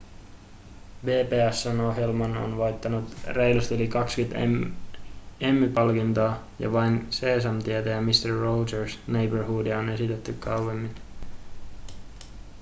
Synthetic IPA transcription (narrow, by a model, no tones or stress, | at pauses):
ʋe̞ːpeːæsːæno̞ɦjelmɑno̰nʋɑjt̪ːɑnut̪re̞jlust̪ylikɑkskyt̪ḛm | emːipɑlkint̪ɑː | jɑ̰ʋɑjnse̞ːs̬ɑmt̪iet̪æjæmist̪erːowd͡ʒersnejbərɦuːdione̞sit̪et̪ːykʰːɑwemːin